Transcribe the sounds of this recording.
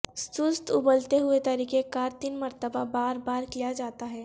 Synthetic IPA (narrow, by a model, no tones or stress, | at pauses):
st̪ʊst̪ʊbəlt̪eɦʊet̪ɐɾiːkekaːɾt̪iːnmɐɾt̪əbabaːɾbaːɾkijad͡ʒaːt̪aɦɛː